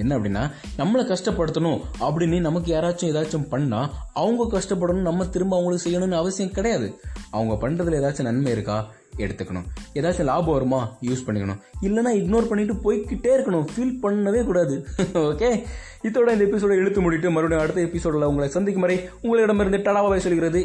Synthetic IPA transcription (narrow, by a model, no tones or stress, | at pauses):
ɛnːɐɐpːɐɽɪnːaː | nɐmːɐɭɐkɐʂʈɐpːɐɽɯt̪ːɐnʊ̃ɐpːɐɽɪnːinɐmɐk̬ːɯjaːɾaːt͡ʃːʊ̃ɛːðaːt͡ʃːʊ̃mpɐɳːaːɐʋɯŋɡɐkɐʂʈɐp̬ːɐɽɐnʊ̃nɐmːɐt̪ɪɾɯmbaːʋɐŋɡɐɭɯkːɯsɛjːɐnʊ̃nːɐɐʋɐsɪjɐ̃mkɪɽɐjaːðɯɐʋɐŋɡɐpɐɳrɐðɯleːðaːt͡ʃːɐ̃nɐnmɐɪɾɯkːaː | ɛɽɯt̪ːɯkːɐɳʊ̰̃eːðaːt͡ʃːʊ̃laːbɐʋɐɾɯmaːjuːspɐɳːɪkːɐɳʊ̰̃ɪlːɐnːaːɪɡnoːɾpɐɳːɪʈ̬ːɯpoːjkːɪʈːeːɪɾɯkːɐɳʊ̃fiːlpɐɳːɐʋeːkuːɽaːðɯoːkeː | ɪt̪ːoːɽɐɪnd̪ɐɛpːɪs̬oːɽɛɽɯt̪ːɯmʊɽɪɪʈ̬ːɯmɐɾɯʋɐɽɐj̃ɐɽɯt̪ːɐɛpːɪsoːɽlːɐʊŋɡɐɭɐsɐnd̪ɪkːɐmɐːɾɪʊŋɡɐɭɪɽɐmeɾɯnd̪ɯt̪ɐɽaːʋaːʋɐːsɔlːɪɣɪɾɐðɯ